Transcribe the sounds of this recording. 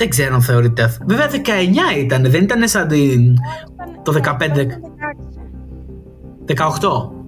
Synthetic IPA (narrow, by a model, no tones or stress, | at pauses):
ðeɡze̞ɾonθe̞o̞ɾit̪eveveɐðe̞kɐeɲɐit̪ɐneðenit̪ɐnesɐnd̪in | t̪o̞ðe̞kɐpnd̪ | ðekɐoxt̪o̞